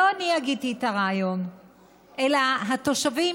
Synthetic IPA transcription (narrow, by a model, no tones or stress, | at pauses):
oaniaɡid̚t̪iet̪aʁaːjo̞n | ʔelaɦat̪o̞ʃavi